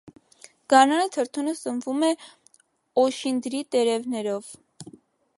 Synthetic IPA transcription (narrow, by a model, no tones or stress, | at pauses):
ɡ̥ɑɾnɑnət̪ʰəɾt̪ʰunəsəmvumɛ | ɔʃind̪ɾit̪ɛɾɛvnɛɾɔv